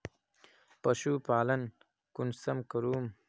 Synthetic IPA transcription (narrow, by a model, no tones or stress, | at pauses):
pɐʃupaːlɐn | kunsɐmkɐɾuːm